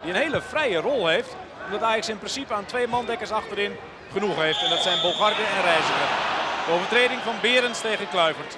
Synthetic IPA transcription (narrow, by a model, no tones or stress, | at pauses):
diənheːləfrɛjərɔlˠheːft | ɔmdɔtaːjɑksɪnprɪnsipəaːntʰʋeːmɑndɛkərsɑxtəɾɪn | χənuxheːftɛndɔtsɛjnbolˠχarɡəɛnrɛjzəχəd̥əoːvərtreːdɪŋfɔnbɪːɾənsteːɣənklœɥvərt